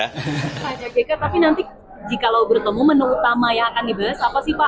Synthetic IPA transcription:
pad͡ʒakekat̪apinant̪i | d͡ʒikalawbərt̪əmumənuut̪amajaŋakandibaɦasapasihpa

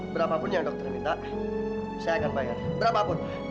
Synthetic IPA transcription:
bəɾapapʊnjaŋdɔk̚t̪ərmit̪a | sajakanbajarbəɾapapʊn

